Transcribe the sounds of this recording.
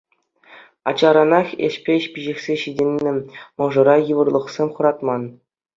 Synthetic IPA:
ɑ̰t͡ɕɑɾɑnɑχʲḛɕpʲeɕpʲiʑĕxʲsʲeɕidʲenʲːɘ̆mɤ̆ʐɤ̆ɾɑjɯʋɤ̆rlˠɤ̆χsʲemʲχɤ̆ɾɑt̪mɑn

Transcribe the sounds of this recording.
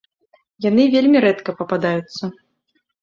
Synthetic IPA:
jan̪ɨvʲelʲmʲiɾɛt̪kɐpɐpad̪ajut̪sːɐ

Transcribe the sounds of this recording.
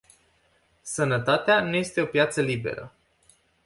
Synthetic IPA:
sənət̪at̪eanuje̞st̪e̞o̞pjat̪səlibe̞̰ɾə̰

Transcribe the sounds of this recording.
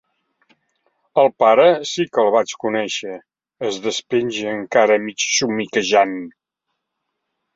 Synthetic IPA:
əlˠpaɾəsikəlˠβat͡ʃkunɛʃəː | zðəspenʲʒəŋkaɾəmit͡ʃsumikəʒan

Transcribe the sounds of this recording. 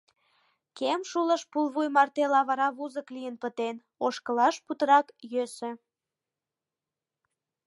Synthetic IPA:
kemʃuləʃpulβujmɑrt̪elɑβɑɾɑβuzəklijənpət̪en | oʃkəlɑʃput̪əɾɑkjøsĕ

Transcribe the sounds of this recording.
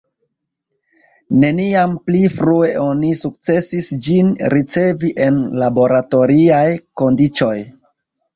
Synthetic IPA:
ne̞niamplifɾue̞ʔo̞nisuk̚t͡se̞sisd͡ʒinɾit͡se̞viʔe̞nlabo̞ɾato̞ɾiajko̞ndit͡so̞j

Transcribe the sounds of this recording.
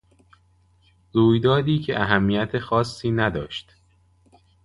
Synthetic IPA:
ɾuːjd̪ɒːd̪iːcʰeʔæɦæmːiːjæt̪ʰexɒːsːiːnæd̪ɒ̰ːʃt̪

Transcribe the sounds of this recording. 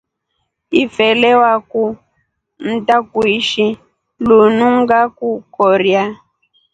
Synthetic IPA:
ifɛlɛwaku | n̩takuiʃi | lunuŋɡakukɔɾja

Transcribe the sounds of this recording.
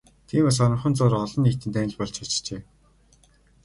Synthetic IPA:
t̪ʰiːmas̬ɔɾə̆ɴχə̆nt͡sʊːrɔɮɞ̆nːikt̪ɘ̆nt̪æːn̆ɮpɔɮt͡ɕʰɔt͡ɕt͡ɕeː

